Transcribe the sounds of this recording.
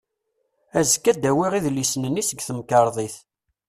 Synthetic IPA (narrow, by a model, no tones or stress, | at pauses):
æzkːæd̪æwiʁiðlːisnənːisəɡθəmkɑɾˤðˤiθ